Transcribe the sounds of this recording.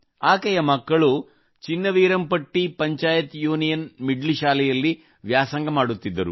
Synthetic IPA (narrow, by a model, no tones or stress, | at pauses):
aːkɐjɐmɐkːɐɭu | t͡ʃinːɐʋiːɾɐmpɐʈːipɐɲt͡ʃaːjɐt̪juːnijɐnmiɖliʃaːlɛjɐlːi | ʋjaːsɐŋɡɐmaːɽut̪ːid̪ːɐɾṵ